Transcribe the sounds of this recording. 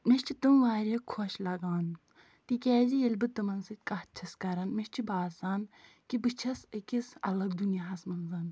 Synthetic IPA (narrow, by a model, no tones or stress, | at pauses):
meʃt͡ʃʰit̪ɨmʋaːɾʲɐkʰoʃlɐɡaːn | t̪ikʲɛːzijelʲbɨt̪ɨmɐnsɨt̪̚ʲkɐht̪̚t͡ʃʰɐskɐɾɐnmeʃt͡ʃʰibaːsaːn | kibɨt͡ʃʰɐsɨkʲisɐ̰lɐɡd̪unjaɦɐsmɐnzɐn